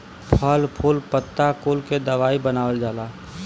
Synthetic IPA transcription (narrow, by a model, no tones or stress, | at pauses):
pʰəlpʰʊlpət̪ːakulked̪əʋaːibənaːwəld͡ʒaːlaː